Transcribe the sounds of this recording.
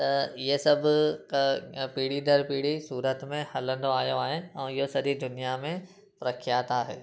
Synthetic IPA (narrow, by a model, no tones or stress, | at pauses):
t̪ɐjesɐbʱ | piːɽid̪ʱɐɾpiːɽisuːɾət̪mẽhɐlə̃nd̪oaːjoaːɦeɛ̃ːɪɦosɐɾid̪ʊnijamẽ | pɾɐkʰjaːt̪aːɦḛː